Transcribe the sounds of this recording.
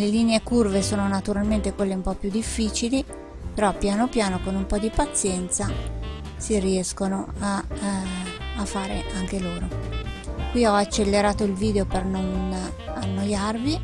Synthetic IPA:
leliːneekurvesoːnonat̪uɾalment̪ekwelːeumpɔpjud̪ifːiːt͡ʃili | peɾɔpjaːnopjaːnokonumpɔd̪ipat̪sːjɛnt̪sa | siriɛskonoa | afːaːɾḛʔaŋk̟eloːɾo | kwiɔat͡ʃːelːeɾaːt̪oilviːd̪eopernon | anːojarvi

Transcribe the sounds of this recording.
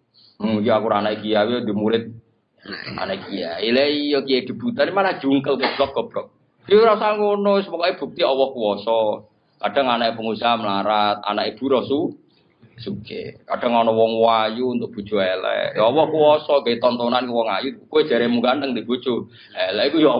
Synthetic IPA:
mkiakuɾanaʔikijawid̪i̤muɾɪt̪̚ | a̰naikija̰ileijɔkijaid̥̪i̤b̥ut̪animanahd͡ʒ̥uŋkəlkueb̥lɔk̚ɡ̥ɔ̤b̥ɾɔk̚ | d̥iɾasaŋɡonosəmɔkɔib̥ṳk̚t̪iɔwɔhkuwɔsɔ | kaɖ̥a̤ŋanaʔipəŋusaɦaməlaɾat̪̚a̰nakib̥ṳɾɔsu | sukḛkaɖ̥a̤ŋɔnɔwɔŋwajuːnt̪ʊk̚b̥ṳd̥d͡ʒ̥ṳɛlɛ̰jɔwɔhkuwɔsɔɡait̪ɔnt̪onankuwɔŋajukuwe̥d͡ʒ̥a̤ɾemuɡand̪əŋd̪ib̥u̥d͡ʒ̥u | ɛlɛikujɔ

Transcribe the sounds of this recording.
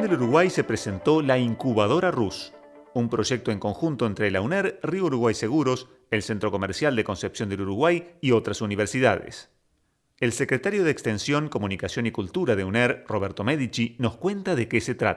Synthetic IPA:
nd̪eluɾuɣwajsepɾese̞nt̪o̞laiŋkuβað̞o̞ɾarus | umpɾo̞ʒek̚t̪oeŋko̞ŋxunt̪o̞ent̪ɾelauneɾriouɾuɣwajse̞ɣuɾo̞s | elsent̪ɾo̞ko̞meɾsjald̪e̞ko̞nsepsjo̞nd̪eluɾuɣwajio̞t̪ɾasuniβ̞eɾsiða̰ð̞ḛs | elsekɾet̪aɾjoð̞eːkst̪e̞nsjo̞ŋko̞mũnikasjo̞nikult̪uɾaðeuneɾro̞βeɾt̪o̞meðit͡ʃino̞skwe̞nt̪aðekeset̪ɾa̰t̪

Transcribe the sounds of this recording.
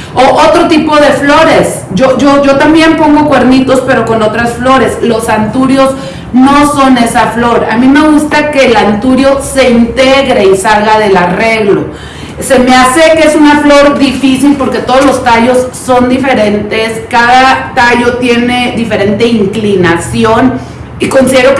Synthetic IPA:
oʔot̪ɾo̞t̪ipo̞ðe̞flo̞ɾe̞sʝo̞ʝo̞ʝo̞t̪ambje̞mpo̞ŋɡo̞kwe̞ɾnit̪o̞spe̞ɾo̞ko̞no̞t̪ɾasflo̞ɾe̞slo̞sant̪uɾjo̞z | no̞so̞ne̞saflo̞ɾa̰mĩme̞ɣust̪ake̞ːlant̪uɾjo̞se̞int̪eɣɾeisalɣaðe̞lare̞ɣlo̞ | se̞me̞ase̞keesunaflo̞ɾd̪ifisilpo̞ɾke̞t̪o̞ð̞ozlo̞st̪aʝo̞sːo̞nd̪ife̞ɾe̞nt̪e̞skaðat̪aʝo̞t̪je̞ne̞ðife̞ɾe̞nt̪e̞iŋklinasjo̞n | iko̞nsiðe̞ɾok

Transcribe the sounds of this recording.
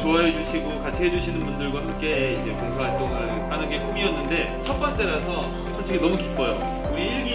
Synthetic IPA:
t͡ɕoaɦed͡ʑuɕʰiɡokat͡ɕʰiɦed͡ʑuɕʰinɯnbundɯɭɡwaɦamk͈e̞ind͡ʑe̞koŋsʰaɦaɭt͈ʌŋɯnhanɯnɡe̞kumiʌnːɯnde̞ | t͡ɕʰʌt̚p͈ʌnt͡ɕ͈e̞ɾasʰʌ | t͡ɕʰʌt͡ɕʰeɡinʌmukip̚k͈ʌjo | koiɭɡi

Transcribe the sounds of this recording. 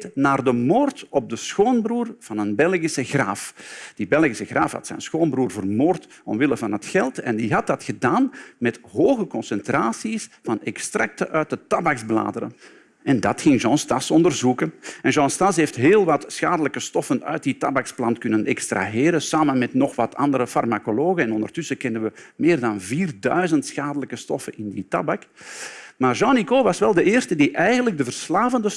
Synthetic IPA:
tnaːrdəmoːrtɔb̚dəsxoːnbruːrv̥ɑnənbɛlˠɣisəɣraːfd̥ibɛlˠɣisəɣraːfɦɑ̰tsɛ̰jnsxoːnbruːrvərmoːrt | ɔ̰mʋɪləvɑnətxɛlˠtɛndiɦɑt̚dɑtxədaːnmɛtɦoːɣəkɔnsɛntraːsisv̥ɑnɛkstrɑk̚təʔœɥt̚dətːɑbaɡzbla̰ːdəɾə̰n | ɛndɑtxɪŋʒɑ̃stɑsɔndərzukənɛnʒɑ̃stɑsɦeːftɦeːlˠʋɑtsxaːdələkəstɔfənœ̰ɥt̚ditɑbaksplɑntkɵnənɛkstra̰ɦeːɾənsaːmənmɛtnɔxʋɑtʰɑ̰ndəɾəfɑ̰rmakoloːɣəɛnɔndərtʏsəkɛndənʋəmeːrdɑnviːrdœɥzəntsxaːdələkəstɔfənɪnditɑ̰bak | maːrʒɑ̃nikoːʋɑsʋɛlˠdəʔɪːrstədiʔɛjɣəndləɡ̚dəvərslaːvəndə

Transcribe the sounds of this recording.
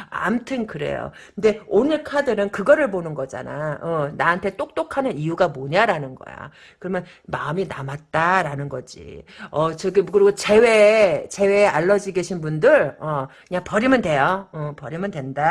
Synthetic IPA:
a̰mtʰɯnkɯɾe̞̰jo̰kɯnde̞onɯɭkʰadɯɾɯnkɯɡʌɾɯɭbonɯnɡʌd͡ʑa̰na̰ʌnaɦantʰe̞t͈ok̚t͈okʰanɯnijuɡamoɲaɾanɯnɡʌ̰ja̰ | kɯɾʌmjʌn | ma̰ɯminamat̚t͈aɾanɯnɡʌd͡ʑḭʌt͡ɕɯɡikɯɾiɡot͡ɕe̞wet͡ɕe̞we̞aɭːʌd͡ʑiɡeɕʰinbundɯɾʌkɯɲapʌɾimɯndwe̞joʌpʌɾimɯndwe̞nda

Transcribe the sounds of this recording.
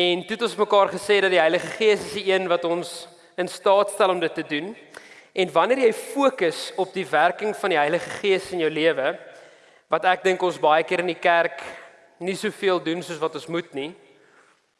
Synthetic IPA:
ɛntuɛtɔ̃nsməkɑːrχəsɛːdɐtdiɦɐjləχəχiəsəsdiiənvɐtɔns | ənstɑːtstælɔmdətːədun | ɛnvɐniərjɛjfuəkəsɔp̚diværkəŋfɐndiɦɛjləχəχiəsənjœwliəvə | vɐtæk̚dəŋkɔ̃nsbɐjəkiəɾəndikærk | nisuəfiəlˠdunsuəsvɐtɔ̃nsmutni

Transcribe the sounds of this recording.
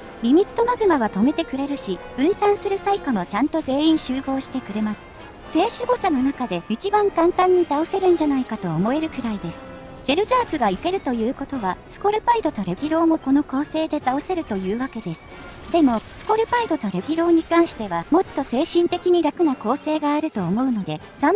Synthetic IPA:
bʲimʲit̪ːo̞maɡɯ̟maβat̪o̞me̞t̪e̞kɯ̟ɾe̞ɾɯ̟ɕiɯ̟̃ɰ̃sãɰ̃sɨɾɯ̟saikamo̞t͡ɕãnt̪o̞ze̞ːĩɰ̃ɕɨːɡo̞ːɕi̥t̪e̞kɯ̟ɾe̞masɨ̥ | se̞ːɕɨɡo̞ɕano̞nakad̪e̞it͡ɕibãŋkãnt̪ãɲ̟ːit̪ao̞se̞ɾɯ̟̃ɲ̟d͡ʑanaikat̪o̞ːmo̞e̞ɾɯ̟kɯ̟ɾaid̪e̞sɨ̥ | d͡ʑe̞ɾɯ̟zaːkɯ̟ɡaike̞ɾɯ̟t̪o̞jɯ̟ːko̞t̪o̞βasɨ̥ko̞ɾɯ̟paid̪o̞t̪o̞ɾekʲiɾo̞ːmo̞ko̞no̞ko̞ːse̞ːd̪e̞t̪ao̞se̞ɾɯ̟t̪o̞jɯ̟ːβake̞d̪e̞sɨ̥ | d̪e̞mo̞sɨ̥ko̞ɾɯ̟paid̪o̞t̪oɾe̞kʲiɾo̞ːɲ̟ikãɰ̃ɕi̥t̪e̞βamo̞t̪ːo̞se̞ːɕĩnt̪e̞kʲiɲ̟iɾakɯ̟nako̞ːse̞ːɡaːɾɯ̟t̪o̞ːmo̞ɯ̟no̞d̪e̞sãm

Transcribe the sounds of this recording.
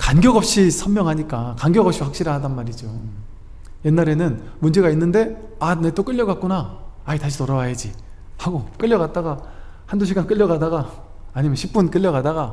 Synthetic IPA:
kanɡjʌɡʌp̚ɕ͈isʰʌmːjʌŋɦaɲik͈akaŋɡjʌɡʌp̚ɕ͈iwak̚ɕ͈iɾɯadanmaɾid͡ʑo | je̞nːaɾe̞nɯn | mund͡ʑe̞ɡainːɯnde̞ | anet͈ok͈ɯʎːjːʌɡak̚k͈unaːitaɕ̬ʰitoɾawajed͡ʑi | haɡok͈ɯʎːʌɡat̚t͈aɡa | handoɕ̬ʰiɡank͈ɯʎːʌɡadaɡaː | ɲimjʌnɕʰip͈̚unk͈ɯʎːjʌɡadaɡa

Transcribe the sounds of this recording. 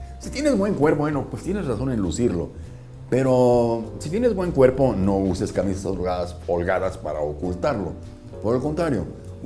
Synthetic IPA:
sit̪je̞ne̞zbwe̞ŋkwe̞ɾpoenopwest̪jene̞sraso̞ne̞nlusiɾlo̞̰ | pe̞ɾo̞sit̪jene̞zbwe̞ŋkwe̞ɾpo̞no̞use̞skamisasolɣaðasolɣaðaspaɾa̰okult̪aɾlo̞ | po̞ɾelko̞nt̪ɾaɾjo̞̰

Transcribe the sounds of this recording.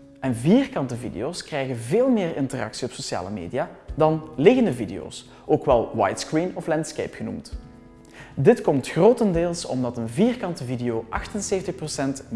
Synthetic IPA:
ɛnviːrkɑntəvḭdḛjoːskrɛjɣənveːlˠmeːrɪ̰ntərɑ̰ksiɔpsosja̰ːlə̰mḛːdijaːdɑnlɪɣəndəvidḛo̰ːs | oːkʋɛlˠwa̰jtskrinɔflɛntskḛjpxənṵmt | dɪtkɔmtxroːtəndeːlˠsɔ̰mdɑtənviːrkɑntəvideoːʔɑxtənseːvəntəxprosɛnt

